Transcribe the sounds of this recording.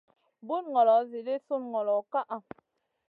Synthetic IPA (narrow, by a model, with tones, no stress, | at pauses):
bu˦nŋɔ˨lɔ˨˦zi˨le˦su˦nŋɔ˨lɔ˨ka˦ʔa˨